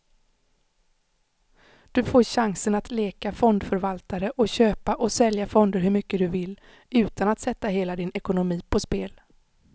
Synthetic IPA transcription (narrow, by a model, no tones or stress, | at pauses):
d̪̥ɵfoːɾɕaŋsənat̪leːkafɔnd̪fœɾvalt̪aɾəʔɔɕøːpaʔɔsɛljafɔnd̪əɾɦɵɾmʏkːəd̪ɵvɪlː | ʉ̟ːt̪ʰanat̪sɛt̪ːaɦeːlad̪ɪnɛkʊnʊmiːpʰɔspeːl